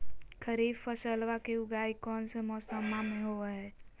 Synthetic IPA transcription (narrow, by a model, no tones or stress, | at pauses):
kʰəɾibpəsəlʋakeʊɡaikɔːnsemɔːsəmamẽɦoɛɦɛː